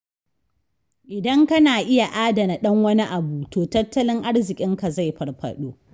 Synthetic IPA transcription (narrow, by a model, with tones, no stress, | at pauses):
ʔɪ˨dɐ˦ŋkɐ˦naː˨ʔɪ˦ja˨ʔaː˦dɐ˨na˨ɗɐ˦ŋwɐ˦ni˦ʔa˨buː˨toː˨tɐ˦tːɐ˦lɪ˦ŋʔa˦ɽzɪ˨kʲʼɪ˦ŋka˨za˦˨jɸɐ˨rɸɐ̰˨ɗoː˦